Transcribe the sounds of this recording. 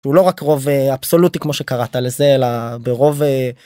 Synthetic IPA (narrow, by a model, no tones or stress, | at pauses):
ʃeulo̞ʁakʁo̞veab̥so̞lutikmo̞ʃe̞kaʁat̪ale̞ze̞elabeʁo̞ve